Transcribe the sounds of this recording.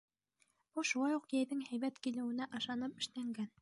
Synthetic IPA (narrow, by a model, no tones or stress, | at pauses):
buʃulˠɑjuqjæjðɘŋhæjβæt̪kilɘ̆wɘ̆næʔɑʃɑnɤpɘ̆ʃlæŋɡæn